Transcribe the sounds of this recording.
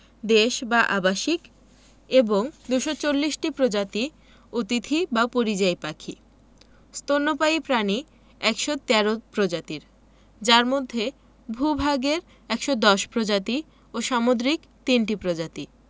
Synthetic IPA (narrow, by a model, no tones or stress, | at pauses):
d̪eʃbaʔabaʃik | eboŋd̪uʃot͡ɕolːiʃʈipɾod͡ʑat̪i | ot̪it̪ʰibapoɾid͡ʑajpakʰi | st̪onːopaipɾani | ɛkʃot̪ɛɾopɾod͡ʑat̪iɾ | d͡ʑaɾmod̪ʱːe | bʱubʱaɡeɾ | ɛkʃɔd̪ɔʃpɾod͡ʑat̪i | oʃamod̪ɾik | t̪inʈipɾod͡ʑat̪i